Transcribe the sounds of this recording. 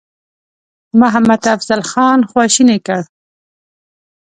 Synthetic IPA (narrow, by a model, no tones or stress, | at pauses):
mʊɦamad̪afz̥alxɑːnxwɑʃinekəɽ